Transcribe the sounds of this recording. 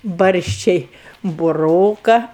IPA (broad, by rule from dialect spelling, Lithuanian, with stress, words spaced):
ˈbɐrʲʃʲt͡ʃʲɛɪ bʊˈroːkɐ